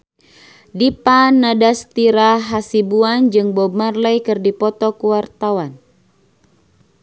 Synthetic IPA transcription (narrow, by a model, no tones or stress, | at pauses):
dipanadast̪iɾaɦasibuand͡ʒɨŋbɔb̚marlajkɨrdipɔt̪ɔkuwart̪awan